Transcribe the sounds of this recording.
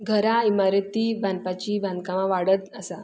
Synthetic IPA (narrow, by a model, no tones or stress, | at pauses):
ɡʱəɾaimaɾət̪iːbʱãnpat͡ɕiːbʱãnd̪̚kaʋãʋaɽət̪əsa